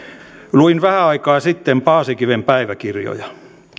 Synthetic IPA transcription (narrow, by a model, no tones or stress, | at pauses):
luinʋæhæɑikɑːsit̪ːempɑːsikiʋempæiʋækirjo̰jɑ